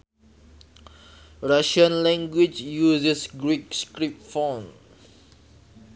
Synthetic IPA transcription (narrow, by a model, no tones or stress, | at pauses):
ɹaʃə̃nlɛ̃ŋɡwid͡ʒjusisɡɹik̚skɹip̚tfãn